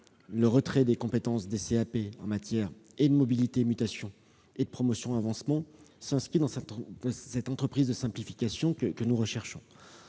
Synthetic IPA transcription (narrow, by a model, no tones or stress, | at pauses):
ləʁət̪χɛd̪ekɔ̃pet̪ɑ̃sd̪eseapeɑ̰̃mat̪jɛːʁed̪əmɔbilit̪emyt̪asjɔ̃ | ed̪əpχɔmɔsjɔ̃avɑ̃smɑ̃sɛ̃skid̪ɑ̃sɛt̪sɛt̪ɑ̃t̪χəpχizd̪əsɛ̃plifikʲasjɔ̃kəkənuʁəʃɛʁʃɔ̃